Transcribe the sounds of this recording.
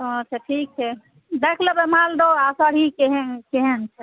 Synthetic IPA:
oətːt͡ʃʰaʈʰik̚t͡ʃʰɛ | d̪ekʰlebemald̪oasəɽ̤ikeɦekeɦent͡ʃʰɛ

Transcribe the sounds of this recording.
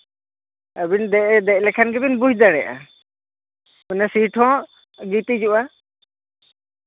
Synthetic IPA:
əbind̪ɛʔd̪ɛlɛkʰanɡɛbinbud͡ʒd̪aɽɛʔa̰ | unɛsiʈʰɔ̃ | ɡit̪id͡ʒuʔa

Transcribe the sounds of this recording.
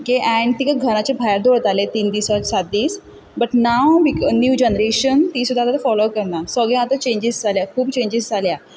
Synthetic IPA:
ɡeʔɛ̃ɳɖt̪ikəɡʱəɽ̃at͡ɕebʱajɾd̪oɭt̪alet̪iːnd̪iːsasat̪̚d̪iːs | bəʈnawbiknjuːd͡ʑɛnəɾeɕənt̪iːsud̪ʱːat̪at̪afɔlokəɾɳasəɡẽat̪at͡ɕẽɲd͡ʑisd͡zʱaljakʰuːbt͡ɕẽɲd͡ʑizd͡zʱalja

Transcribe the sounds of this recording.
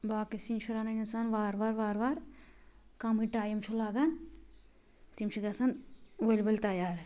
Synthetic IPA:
baːkisint͡ʃʰiɾanɐnisanʋaːɾʋaːɾʋaːɾʋaːɾ | kaːmiʈaːjɐmt͡ʃʰulaːɡɐn | t̪imt͡ʃʰiɡɐsɐnʋɐlʲʋɐlʲt̪ɐjaːɾ

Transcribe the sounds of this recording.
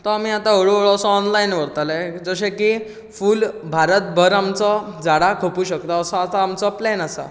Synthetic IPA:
t̪ɔamiːat̪ãɦəɭoəɭɔsɔːnlainʋəɾt̪aled͡zəɕeki | fuːlbʱaɾət̪̚bʱəɾamt͡sɔd͡zaɽakʰopuːɕəkt̪aːsɔat̪aːmt͡sɔplɛnasa̰

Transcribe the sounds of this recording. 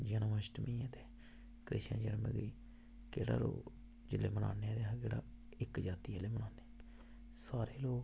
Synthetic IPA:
d͡ʒənməsʈmĩːɛːt̪eː | kɾɪ̰ʃə̰̃nd͡ʒəɾmə̰ɡiː | keːɽa̰ːɾo̰ː | d͡ʒɪlḛːməna̰ːneːɛːd̪eakeːɽa̰ː | ɪkd͡ʒaːt̪iːeːleːmənaːne | saːɾeːloːk

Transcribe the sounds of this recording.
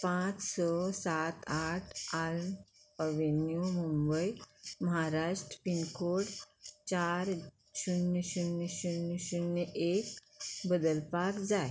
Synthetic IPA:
pãt͡ssɔsat̪aʈʰalmpəʋinjumũmbəjməɦaɾaʂʈɾəpinkoɽt͡ɕaɾ | ɕunəɕunəɕunəɕunjəʔek̚ | bəd̪əlpakd͡zae

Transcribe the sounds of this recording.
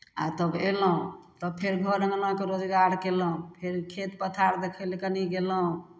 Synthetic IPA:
a̰t̪əbeləɦũt̪əbpʰeɾɡʱəɾəŋlãkeɾod͡ʒɡaɾkelə̃ũpʰeɾkʰet̪pət̪ʰaɾd̪ekʰəlkəniɡeləɦũ

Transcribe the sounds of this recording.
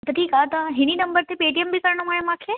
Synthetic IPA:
t̪ɐʈʰiːkaːt̪ɐɦɪñinɐ̃mbəɾt̪epeːʈijəmbɪkɐɾɽ̃oaːjõmãːkʰeː

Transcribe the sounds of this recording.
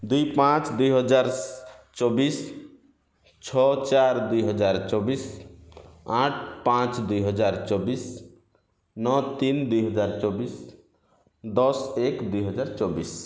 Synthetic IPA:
d̪ujpãt͡ʃd̪ujɦɔd͡ʒaɾt͡ʃobis | t͡ʃʰɔt͡ʃaɾd̪ujɦɔd͡ʒaɾt͡ʃobis | aʈʰpãt͡ʃd̪ujɦɔd͡ʒaɾt͡ʃobis | nɔt̪ind̪ujɦʌd͡ʒaɾt͡ʃobis | d̪ɔsekd̪ujɦɔd͡ʒaɾt͡ʃobis

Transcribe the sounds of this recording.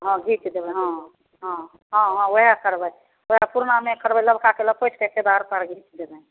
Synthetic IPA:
ɦɔ̃ɡʱĩt͡ʃd̪ebɛɦɔ̃ | ɦɔ̃ | ɦɔ̃ɦɔ̃oɦakəɾbəj | oapuɾnamekəɾbələbʱkakeləb̚pəjt͡ʃʰkəked̪aɾpəɾɡʱĩt͡ʃd̪ebə̃

